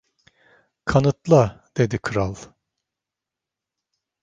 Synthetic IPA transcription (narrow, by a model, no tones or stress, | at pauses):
kʰanɯt̪lˠad̪̥e̞d̪ikʰɯɾalˠ